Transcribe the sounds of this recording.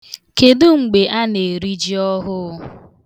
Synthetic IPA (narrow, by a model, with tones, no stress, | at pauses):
ke˨dʊ˦ŋ͡m̩˨ɡ͡be˨ʔa˦ne˨ɾi˦d͡ʒi˦ɔ˦ɦʊ˦ʊ˦